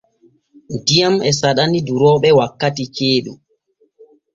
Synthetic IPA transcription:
dijamɛsaɗaniduɾɔːɓɛwakːatikeːɗu

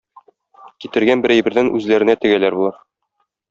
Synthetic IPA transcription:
kit̪ɘ̆ɾɡænbɘ̆ɾæjbɘ̆ɾðænʔʉzlæɾɘ̆næt̪ɘ̆ɡælæɾbulˠɑɾ

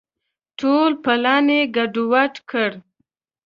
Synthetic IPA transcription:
ʈʰolpalɑneɡaɖuwaʈkʰəɽ

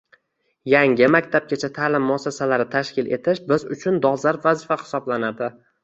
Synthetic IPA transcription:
jaŋʲɪmakʲt̪ʰap̚kʲat͡ʃʰat̪ʰaːlɪmːʊasasalaɾɪt̪ʰaʃkʲɪle̞̰t̪ʰɪʃbɪzʊt͡ʃʰʊnd̪ɒlˠzaɾpvazɪfahɪ̥sɒblanad̪ɪ

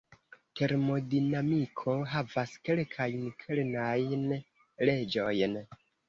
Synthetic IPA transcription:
te̞ɾmo̞dinamikʰo̞ɦavaske̞lkʰajnkʰelnajn | le̞d͡ʒo̞jn

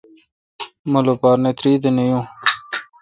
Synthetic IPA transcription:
mɐlopaːɾnet̪ɾiːd̪enejũ

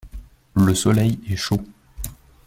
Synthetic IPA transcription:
ləsɔlɛjɛʃo

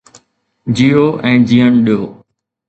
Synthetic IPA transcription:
d͡ʑiːjoʔɛ̃ːd͡ʑiːəɳɗijoː

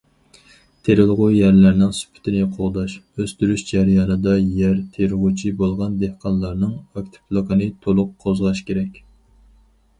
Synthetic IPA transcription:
t̪ʰeɾɪlˠʁʊjæɾlæɾnɪŋsy̥pʰɪ̥t̪ʰɪnɪqʰoʁd̪ɑʃøst̪yɾyʃd͡ʒæɾjɑːnɨd̪ɑjæɾt̪ʰeɾɪʁut͡ʃʰibolˠʁɑnd̪ehqʰɑnlˠɑɾnɨŋɑk̚ʲt̪ʰɪ̥pʰlˠokənɨt̪ʰolˠʊqʰːozʁɑʃkʲeɾɛkʲ

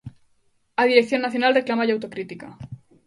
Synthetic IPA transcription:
aðiɾek̚θjo̞nːaθjo̞nalreklamaʎawt̪okɾit̪ika̰

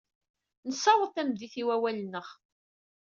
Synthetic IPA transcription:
nəsɑwəθæmðiθiwæwælnːəχ

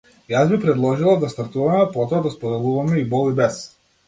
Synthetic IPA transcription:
jazbipɾɛd̪lˠɔʒilˠad̪ast̪aɾt̪uvamɛpɔt̪ɔad̪aspɔd̪ɛlˠuvamɛibɔlˠibɛs

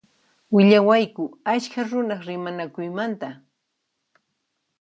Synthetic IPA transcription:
wɪʎawajkʊaʃkaɾʊnɑχɾɪmanakʊjmant̪a

